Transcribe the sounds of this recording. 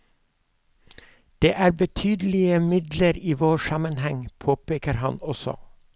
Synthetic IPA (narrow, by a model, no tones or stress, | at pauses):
d̪̥eːʔæːɾbət̪ʰyːd̪əlɪəmɪd̪ləɾiːʋoːʃɑmənhɛŋpʰoːpeːkəɾhɑnɔsɔ̰